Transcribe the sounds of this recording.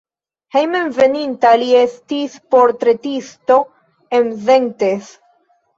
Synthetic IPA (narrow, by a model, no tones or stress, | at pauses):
hejmenve̞nintalie̞stispo̞ɾt̪ɾe̞tisto̞ | emzeŋtes